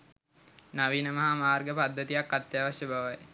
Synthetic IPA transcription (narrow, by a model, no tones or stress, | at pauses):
naʋiːnəmɐɦamaːrɡəpad̪ːət̪ijakːat̪jaːʋaʃjəbʱaʋaj